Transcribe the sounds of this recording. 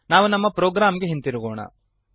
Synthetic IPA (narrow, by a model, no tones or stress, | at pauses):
naːʋunɐmːɐpɾoːɡɾaːmɡe̞ɦint̪iɾuɡoːɳɐ̰